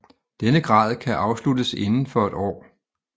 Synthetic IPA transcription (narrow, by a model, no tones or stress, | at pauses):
d̥enəɡ̥ʁɑ̰̈ːð̞ˠkʰæʔɑ̈ʊsludəse̝nn̩fɒ̽e̝d̥ɒ̰ː